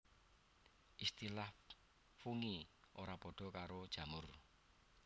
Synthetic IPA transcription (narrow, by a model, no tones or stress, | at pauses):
ʔist̪ilah | fuŋiʔoɾapɔɖ̥ɔ̤kaɾod̥ʒ̥ä̤mʊr